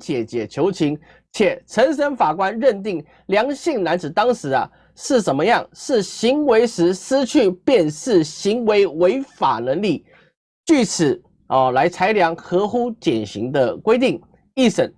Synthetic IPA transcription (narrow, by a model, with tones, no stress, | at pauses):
t͡ɕjɛ˨˩t͡ɕjɛ˨˩t͡ɕʰjo˧˥ʊt͡ɕʰi˧˥ŋ | t͡ɕʰjɛ˨˩ʈ͡ʂʰə˧˥nʂ̬ə˥nfa˨˩kwa˥nɻə˥˧nt̪i˥˩ŋ | ljɑ˧˥ŋɕi˥˩ŋna˧˥nt͡sɹ̩˨˩t̪ɑ˥ŋʂɻ̩˧˥ɐ̰˧ | ʂɻ̩˥˩t͡sə˨˩nmə˦jɑ˥˩ŋʂɻ̩˥˩ɕi˧˥ŋwe˧˥ɪʂɻ̩˧˥sɹ̩˥t͡ɕʰy˥˩pjɛ˥˧nʂɻ̩˥˩ɕi˧˥ŋwe˧˥ɪwe˧˥ɪfa̰˨˩nə˧˥ŋli˥˩ | t͡ɕy˥˩t͡s̩ʰ˨˩˦ | ɔ˥˨˩la˧˥ɪt͡sʰa˧˥ɪljɑ˧˥ŋxɤ˧˥xu˥t͡ɕjɛ˨˩nɕi˧˥ŋd̪ə˧kwe˥ɪt̪i˥˩ŋ | i˥˩ʂə˨˩˦n